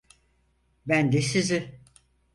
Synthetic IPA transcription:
bænd̪esizi

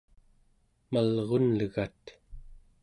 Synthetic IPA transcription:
malʁonlɣat̪

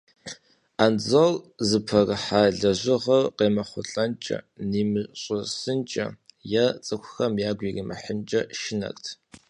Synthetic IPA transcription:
and͡zɐlzɨpʰɐrɨħaɮɐʑʷɪʁɐrqeːmɐχʷʊɬʼɐnt͡ʃʼɐ̰niːmɨɕʼɐsɨnt͡ʃʼɐ̰jɐt͡sʼɨkʷʰʊxɐmjaːɡʷirimɐ̰ħənt͡ʃʼɐʃɪnɐ̰kʼtʰ

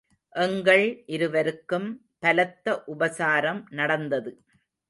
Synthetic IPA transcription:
ʔɛŋɡɐɭʔɪɾɯʋɐɾɯkːɯm | pɐlɐt̪ːɐʔʊbɐsaːɾɐmnɐɽɐnd̪ɐðɯ

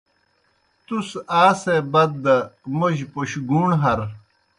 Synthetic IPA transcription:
t̪usaːsebɐd̪ːɐmuʑpuɕɡuːɳɦɐɾ

